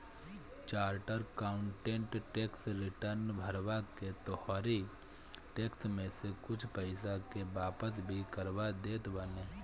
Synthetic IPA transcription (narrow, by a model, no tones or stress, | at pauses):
t͡ʃaːɾʈəɾkaːʊ̃ɳʈẽɳʈʈeːksɾɪʈəɾnbʱəɾʋaket̪ɔhɔːɾi | ʈeːksmẽsekʊt͡ʃʰpəɪsakebaːpəs̬bʱikəɾʋad̪eːt̪bəneː